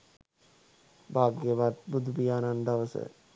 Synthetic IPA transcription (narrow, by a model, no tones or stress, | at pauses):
baːɡjəʋat̪̚bud̪ubijaːnand̪aʋəsə̰